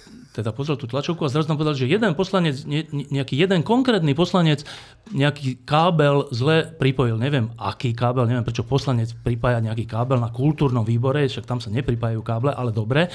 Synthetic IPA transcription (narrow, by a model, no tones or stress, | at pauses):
t̪ɛd̪apɔzɾɛlt̪uːt̪lat͡ʃɔʊkuazɾazunampɔʋɛd̪aliʒɛjɛd̪ɛnpɔslaɲɛd͡zɲɛɲɛakiːjɛd̪ɛnkɔŋkɾɛːt̪nipɔslaɲɛt͡s | ɲɛakiːkaːbɛlzlɛpɾipɔjilɲɛʋɪɛma̰kiːkaːbɛlɲɛʋɪɛmpɾɛt͡ʃɔpɔslaɲɛt͡spɾipaːjaɲɛakiːkaːbɛlnakult̪uːɾnɔmʋiːbɔɾɛʃak̚t̪amsaɲɛpɾipaːjajuːkaːblɛʔalɛd̪ɔbɾɛ